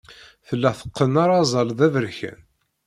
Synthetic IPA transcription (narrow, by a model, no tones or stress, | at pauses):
θəlːæθə̥qːənaɾˤɑzˤɑlðævəɾçə̰n